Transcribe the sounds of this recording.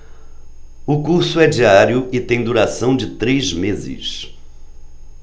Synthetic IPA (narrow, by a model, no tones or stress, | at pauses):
ʊkuɾsʊɛd͡ʒiaɾjʊɪt̪ẽj̃d̪uɾasɐ̃w̃d͡ʒɪt̪ɾejzmezɪ̰s